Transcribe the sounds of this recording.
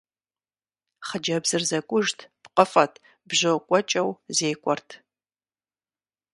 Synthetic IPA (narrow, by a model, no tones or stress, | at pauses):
χəd͡ʒɐbzɨrzɐkʷʼʊʒtʰpqəfʼɐtʰ | bʑɨkʷʼɔt͡ʃʼɐwzeːkʷʼɔrtʰ